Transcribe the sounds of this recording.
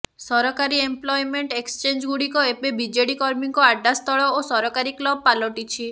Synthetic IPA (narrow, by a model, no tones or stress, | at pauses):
sɔɾɔkaɾiemplɔjmeɳʈekst͡ʃend͡ʒɡuɽikɔepebid͡ʒeɽikɔɾmiŋkɔaɖːast̪ɔɭɔosɔɾɔkaɾiklɔb̚palɔʈit͡ʃʰi